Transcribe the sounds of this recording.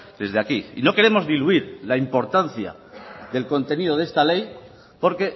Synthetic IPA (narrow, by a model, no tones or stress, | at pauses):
d̪e̞zðeakiino̞ke̞ɾe̞mo̞zðiluiɾlaimpo̞ɾt̪an̟θja̰ | ðe̞lko̞nt̪e̞nið̞o̞ðe̞st̪ale̞j | po̞ɾke̞